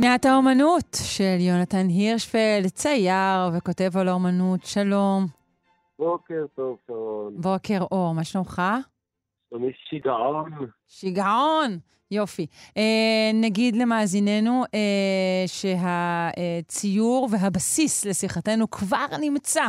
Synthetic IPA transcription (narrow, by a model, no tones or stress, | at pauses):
meataomanutʃeljo̞natanɦiʁʃfelt͡sajaʁveko̞te̞volomanutʃalo̞m | bokeʁt̪ofaonbo̞ke̞ʁʔo̞ʁmaʃnomχa | omiʃiɡaon | ʃiɡaon | jo̞fienaɡid̪le̞maːzine̞nuʔeʃe̞ɦaet͡sijuʁve̞ɦabasisle̞siχate̞nukvaʁnimt͡sa